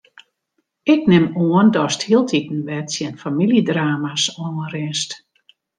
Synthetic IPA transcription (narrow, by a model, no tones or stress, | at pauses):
ɪk̚nɪmoəndɔsthiəlˠtʰitn̩ʋɛtsjɛnfamilidraːmasɔnrɪnst